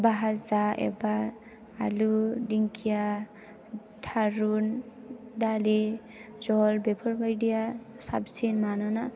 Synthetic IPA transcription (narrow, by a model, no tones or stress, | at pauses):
baɦazaḛba | aludiŋkʰija | tʰaɾun | dali | d͡ʒɔlbepʰɔɾbajɖija | sa̰bsinmanɔna